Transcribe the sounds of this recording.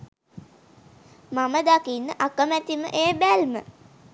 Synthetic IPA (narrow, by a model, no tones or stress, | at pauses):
maməd̪akinːəʔakəmæt̪imə̰ʔeːbælmə